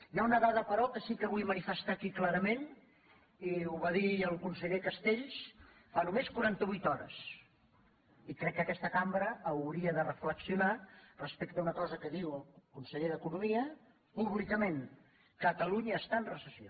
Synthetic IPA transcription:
jaunəðaðəpəɾɔkəsikəβujmənifəst̪akiklaɾəmen | iuβaðiəlˠkunsəʎekəst̪eʎs | fanumeskuɾant̪əβujt̪ɔɾə̰s | ikɾɛkːəkɛst̪əkambɾəːwɾiəðərəfləksiunarəspekt̪əunəkɔzəkəðiwəlˠkunsəʎeðəkunumiə | puβlikəmeŋ | kət̪əluɲəːst̪aənrəsəsio

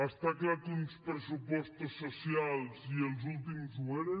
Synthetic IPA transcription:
aʃt̪aklaɾkũnd̪uspɾesupɔst̪usosialˠzielzulˠt̪imuzueɾe

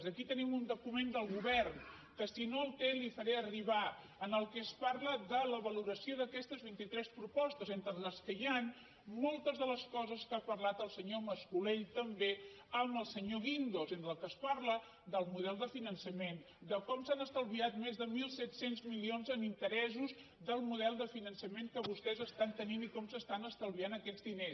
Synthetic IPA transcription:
zðəkit̪ənimund̪ukumend̪əlˠɣuβɛrn | kəsinoəlˠt̪ɛlifəɾɛəriβa | ənəlˠkɛəspaɾləðələβəluɾəsioðəkɛst̪əzβint̪it̪ɾɛspɾupɔst̪əzent̪ɾələskəjan | molˠt̪əzðələskɔzəskapəɾlat̪əlˠsəɲoməskuleʎt̪əmbe | əməlˠsəɲoɣind̪ozend̪əlˠkəspaɾlə | d̪əlˠmuðɛlˠd̪əfinənsəmen | d̪əkɔmsanəst̪əlˠβiat̪mezðəmilˠsɛt̪senzmilionzənint̪əɾɛzuz | ðəlˠmuðɛlˠd̪əfinənsəmeŋkəβust̪ɛzəst̪ant̪əninikɔmsəst̪anəst̪əlˠβianəkɛd͡zd̪ines

